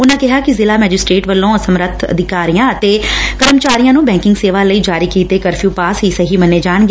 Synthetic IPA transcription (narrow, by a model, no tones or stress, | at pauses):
ʊnãːkɪɦaːkɪzɪlaːmɛːd͡ʒɪsʈɾeːʈʋəlːõːəsəmɾət̪ʰə̰d̪ʱɪkaːɾijãːət̪eːkəɾəmt͡ʃaːɾijãːnũːbɛ̃ːŋkɪŋɡseːʋaːləiːd͡ʒaːɾiːkiːt̪eːkəɾfʰjuːpaːsɦiːsəɦiːməneːd͡ʒaːɳ̃ɡeː